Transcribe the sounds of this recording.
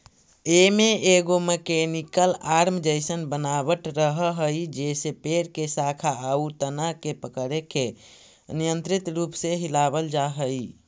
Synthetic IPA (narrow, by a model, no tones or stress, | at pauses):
emeʔeɡoməkenikəlaɾmd͡ʒəjsənbənabəʈɾəɦəɦəjd͡ʒesepeɾkesakʰaːut̪ənakepəkəɾeke | nijənt̪ɾit̪ɾupseɦilabəld͡ʒaɦəj